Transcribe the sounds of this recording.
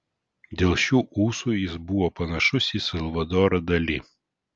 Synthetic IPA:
d̪ʲeːlˠʃʲuːʔuːsuːjɪsbʊʋopɐnɐʃʊsʲisʲɐlˠʋɐd̪ɔːɾɐd̪ɐlʲɪ

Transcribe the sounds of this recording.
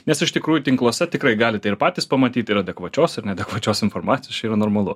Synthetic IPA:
nʲɛsɪʃt̪ʲɪkɾuːjʊt̪ʲɪŋklˠoːsʲɛt̪ʲɪkɾɐɪɡɑːlʲɪt̪ɛɪɾpɑːt̪ʲiːspɐmɐt̪ʲiːt̪ʲɪɾɐd̪ʲɛkʋɐt͡ʃʲoːsɪɾnʲɛd̪ʲɛkʋɐt͡ʃʲoːsɪnfoːɾmɑːt̪sʲɪjot͡ʃʲɛɾɐnoːɾmɐlˠʊ

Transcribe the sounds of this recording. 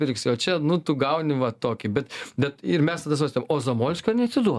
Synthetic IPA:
pʲɪrʲksʲɪoːt͡ʃʲɛnʊt̪ʊɡɐʊnʲɪʋɐt̪oːkʲɪbʲɛt̪bʲɛt̪ɪɾmʲɛst̪ɐd̪ɐs̬ʋɐsʲt̪ojmoːzoːmoːlʲɪsʲkʲonʲɛɐt̪ʲsʲɪd̪uɔ

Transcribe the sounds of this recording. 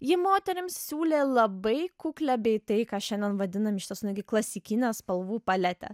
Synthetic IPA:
jɪmoːt̪ʲɛɾʲɪmssʲuːlʲeːlˠɐbɐɪkuklʲæːbʲɛɪt̪ɐɪkɑːʃʲɛnʲd̪ʲɛnʋɐd̪ʲɪnɐmɪʃʲɪt̪ʲɛsʊnɪɡʲɪklˠɐsʲɪkʲɪnʲɛːspɐlˠʋuːpɐlʲæt̪ʲɛ̰

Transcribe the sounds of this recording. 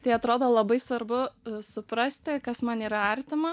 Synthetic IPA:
t̪ɐɪɐt̪ɾoːd̪oːlˠɐbɐɪsʋɐɾbʊsʊpɾɐsʲt̪ʲɪkɐsmɐniːɾɐɐɾʲt̪ʲɪmɐ

